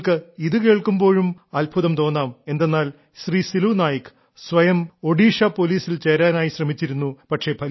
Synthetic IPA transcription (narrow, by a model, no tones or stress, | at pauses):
kɨiðɨke̞ːɭkumbo̞ːɻumɐlbʱuðɐmt̪o̞ːnːaːme̞nd̪enːaːl | ɕriːsiluːnaːjikːɨ̥ | sʋɐjɐmo̞ɽiːʂɐpo̞liːsilt͡ɕeɾaːnaːjiɕrɐmit͡ɕːiɾunːupɐʈʂe̞pʰɐ